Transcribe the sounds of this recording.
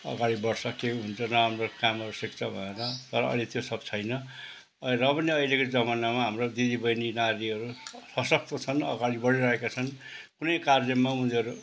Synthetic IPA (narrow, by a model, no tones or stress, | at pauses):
ʌ̰ɡaɽibʌɽsʌkeuɦunt͡sʰʌnʌɦamrokamʌɾusik̚t͡sʰʌbʱʌ̰eɾʌt̪ʌɾʌʌ̰jlet̪josʌbt͡sʰʌjnʌ | ʌrʌpʌniʌjlekod͡zʌmanamaɦamrod̪id̪ibʌjninaɾiʌɾusʌsʌk̚t̪ot͡sʰʌnʌ̰ɡaɽibʌɽiɾʌɦekat͡sʰʌnkunʌjkard͡zʌmmːauniʌɾu